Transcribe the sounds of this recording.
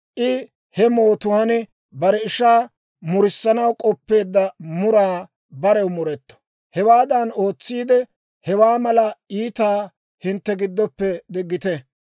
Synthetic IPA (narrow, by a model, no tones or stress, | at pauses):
ʔɪ | hɛmo̞ːt̪ʊwaːnɪ | bɐɾɛɪʃaː | mʊɾɪsːɐnɐwkʼɔpːe̞ːd̪ːɐmʊɾaː | bɐɾɛwmʊɾɛt̪ːɔ̥ | hɛwaːd̪ɐno̞ːt͡sːiːd̪ɛ | hɛwaːmɐlɐiːt̪aː | hɪnt̪ːɛɡɪd̪ːɔpːɛd̪ɪɡːɪt̪ɛ